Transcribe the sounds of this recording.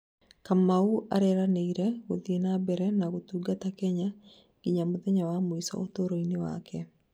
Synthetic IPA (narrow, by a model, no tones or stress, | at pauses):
kamaua̰ɾɛɾaneiɾɛwoðienabɛɾɛnaɡotuɡatakɛɲa | ɡ̥iɲamoðɛɲawamoisɔ̰ʔot̪oɾoinɪwa̰kʰɛ